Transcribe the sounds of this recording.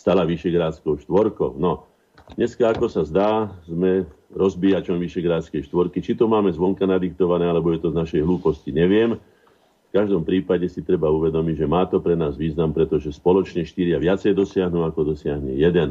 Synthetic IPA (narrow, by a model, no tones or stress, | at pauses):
st̪alaʋiʃɛɡɾaːt͡skɔʊʃt̪ʋɔɾkɔʊnɔ | dɲɛskaːkɔsazd̪aːzmɛ | ɾɔzbijat͡ʃɔnʋiʃɛɡɾaːt͡skɛjʃt̪ʋɔɾkit͡ʃit̪ɔmaːmɛzʋɔŋkanad̪ik̚t̪ɔʋanɛːalɛbɔjɛt̪ɔznaʃɛjɦluːpɔsciɲɛʋɪɛm | fkaʒd̪ɔmpɾiːpaɟɛsit̪ɾɛbauʋɛd̪ɔmiɟʒɛmaːt̪ɔpɾɛnaːzʋiːznampɾɛt̪ɔʒɛspɔlɔt͡ʃɲɛʃt̪iɾɪaʋɪat͡sɛjd̪ɔsɪaɦnuakɔd̪ɔsɪaɦɲɛ̰jɛd̪ɛn